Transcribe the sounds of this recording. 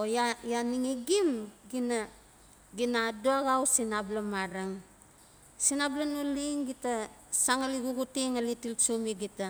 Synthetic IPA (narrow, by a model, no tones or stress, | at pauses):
ojajaniŋiɡimɡina | ɡinadoaɡawsinablamaɾaŋ | sinablanoliŋɡitasaŋaliɡuɡutiŋalitilsumiɡita